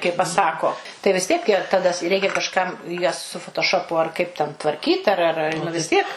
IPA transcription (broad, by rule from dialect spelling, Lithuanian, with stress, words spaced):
kɐɪ pɐˈsɑːkoː tɐɪ ʋʲɪs ˈtʲiɛk jɛ tɐˈdɐ ˈrʲɛɪkʲɛ kɐʃˈkɐm jɛs sʊ foːtoːˈʃoːpʊ ɐr kɐɪp tʲɛn tʋɐrʲˈkʲiːt ɐr ɐr ˈɐr ʋʲɪs ˈtʲiɛk